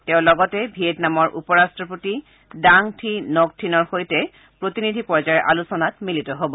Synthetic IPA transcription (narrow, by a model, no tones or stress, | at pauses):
teʊ̃lɔɡɔtɛbʱietnamɔɹʔupɔɹastɹɔpoti | daŋtʰinok̚tʰinɔɹxojtɛ | pɹotinidʱipɔɹzaɛʔa̰lusɔnatmilitɔɦobɔ